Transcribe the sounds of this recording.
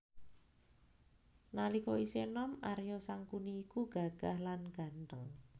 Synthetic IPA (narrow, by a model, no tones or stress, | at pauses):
nalikɔisenɔmaɾjɔsaŋkuniːkuɡ̥a̤ɡ̥ahlanɡ̥a̤nʈəŋ